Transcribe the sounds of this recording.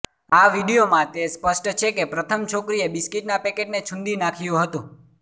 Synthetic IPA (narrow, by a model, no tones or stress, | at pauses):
aʋiɽijomãt̪espəsʈt͡ʃʰekepɾət̪ʰəmt͡ʃʰokɾiebiskiʈnapɛkeʈnet͡ʃʰʊ̃nd̪inakʰijũɦət̪ũ